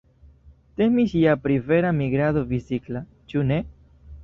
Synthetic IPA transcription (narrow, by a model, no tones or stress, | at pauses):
t̪e̞miʃiapɾive̞ɾamiɡɾadovisikla | t͡ʃune̞